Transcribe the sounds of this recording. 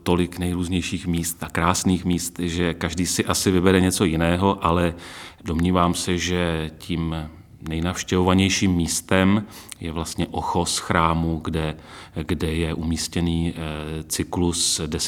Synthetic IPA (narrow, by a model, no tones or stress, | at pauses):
t̪o̞lɪknɛjɾuːzɲɛjʃiːxmiːst̪akɾaːsniːxmiːst̪ʒɛkaʒdiːsɪʔasɪvɪbɛɾɛɲɛt͡so̞jɪnɛːɦo̞ʔalɛdo̞mɲiːvaːmsɛʒɛciːm | nɛjnafʃcɛvovaɲɛjʃiːmːiːst̪ɛm | jɛvlast̪ɲɛʔoxo̞sxɾaːmuɡdɛɡdɛjɛʔumiːscɛniːt͡sɪklusdɛs